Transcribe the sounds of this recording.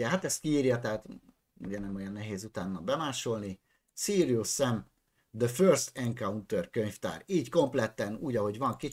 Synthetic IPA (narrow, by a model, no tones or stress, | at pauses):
ɛɦat̪ɛst̪̚kiiːrjɒt̪ɛɦaːt̪ | ṵɟɛnɛmo̞jɒnːɛɦeːzut̪aːnːɒlbɛmaːʃo̞lni | siːɾiusɛm | d̪əførst̪ɛŋkaunt̪ørkøɲft̪a̰ːriːcko̞mplɛt̪ɛnuːɟɒɦo̞ɟʋɒŋki